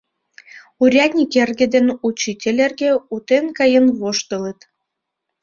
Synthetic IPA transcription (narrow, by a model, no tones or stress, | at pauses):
uɾʲɑtʲnʲikerɣĕd̪enut͡ɕitʲelʲerɣeut̪enkɑjənβoʃt̪ələt̪